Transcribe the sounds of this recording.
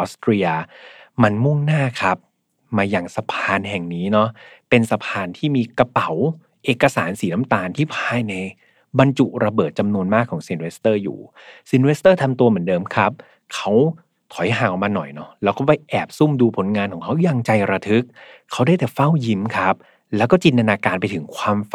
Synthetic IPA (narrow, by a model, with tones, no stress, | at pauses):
ʔɔː˦˥st̪ɾiː˧ə˧ma˧nmu˥˩ŋnaː˥˩kʰa˦˥p̚ | maː˧jaː˨˩ŋsa˧pʰaː˧nɦɛ˨˩ŋniː˦˥nɔ˦˥pe˧nsa˧pʰaː˧nt̪ʰiː˥˩miː˧kɾa˧pa˨˩˦w | ʔeː˨˩kːa˧saː˩˦nsiː˩˦na˦˥mt̪aː˧nt̪ʰiː˥˩pʰaː˧jna˧j | ba˧nt͡ɕu˨˩ɾa˧bɤː˨˩t̪̚t͡ɕa˧mnu˧ənmaː˥˩kʰːɔː˩˦ŋsi˧nwe˦˥st̪ɤː˥˩jṵː˨˩si˨˧˦nweː˦˥st̪ɤː˥˩t̪ʰa˧mt̪u˧mɯ˩˦ndɤː˧mkʰa˦˥p̚ | kʰa˦˥w | k̪ʰɔ˨˩˦jɦaː˨˩˦ʔɔ˨˩maː˧nɔ̰˨˩jnɔ˦˥lɛː˦˥wkɔː˥˩waː˥˩jʔɛː˨˩p̚su˥˩mduː˧pʰo˩˦nŋaː˧nkʰɔː˩˦ŋkʰa˦˥wja˧ŋt͡ɕa˧jɾa˧t̪ʰɯ˦˥k̚kʰːa˦˥wdaː˥˩jt̪ɛː˨˩fa˥˩wji˦˥mkʰa˦˥p̚ | lɛː˦˥wkɔː˥˩t͡ɕi˧nt̪a˧naː˧kaː˧npa˧jt̪ʰɯ˩˦ŋkʰwaː˧m˨